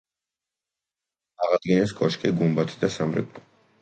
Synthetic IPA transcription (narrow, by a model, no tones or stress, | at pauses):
aʁad̪̥ɡinɛskʼɔʃkʼɛɡumbat̪ʰd̪asamɾɛ̰kʼ